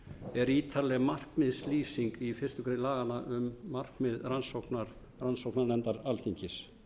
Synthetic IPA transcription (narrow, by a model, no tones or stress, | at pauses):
ɛɾiːt̪ʰalɛɣmar̥kmɪðsliːsiŋkifɪr̥st̪ʏkʰɾelaːɣanaʔʏmːar̥kmɪðransoknaɾ | ransowknaɾlɛnt̪aɾalθiɲcɪs